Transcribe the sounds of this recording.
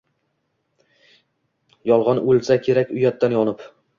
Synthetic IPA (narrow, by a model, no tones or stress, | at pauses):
jɒlˠʁɒnɵlˠsakʲʰeɾakʲʊjat̪ːanjɒnɪp